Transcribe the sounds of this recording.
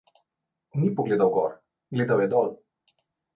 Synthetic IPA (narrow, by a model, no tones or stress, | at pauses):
nipɔɡleːd̪awɡɔ̰ɾ | ɡleːd̪awjɛd̪ɔl